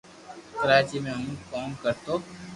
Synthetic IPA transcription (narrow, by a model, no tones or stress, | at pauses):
kəɾaːt͡ʃimẽɦũːkɔːnkɐɾt̪oː